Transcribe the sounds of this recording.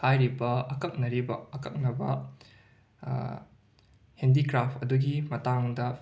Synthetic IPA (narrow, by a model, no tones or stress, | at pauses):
hajɾibɐɐkɐk̚nɐɾibɐ̰ɐkɐk̚nɐbɐ | hendikɾapʰɐduɡimɐtaŋdɐ